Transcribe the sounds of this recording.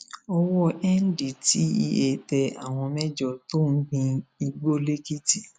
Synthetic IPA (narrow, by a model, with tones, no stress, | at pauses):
ɔ˧wɔ˦ʔɛ˦n̩˦di˨ti˨˦i˧e˧˨tɛ˧a̰˦˨w̃ɔ̃˧mɛ˦d͡ʒɔ˨to˦n̩˦ɡĩ˧i˧ɡ͡bo˦le˦ki˦ti˦˨